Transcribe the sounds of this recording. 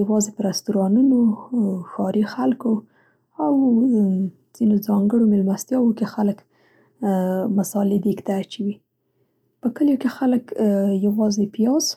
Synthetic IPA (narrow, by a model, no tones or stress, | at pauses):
jawɑzepəɾast̪uɾɑnunoxɑɾixalko | aw | z̥inozɑŋɡəɽomɪlmast̪jɑwokexalək | masɑled̪ekt̪aːt͡ʃawi | pəkəljokexaləkjawɑzepijɑz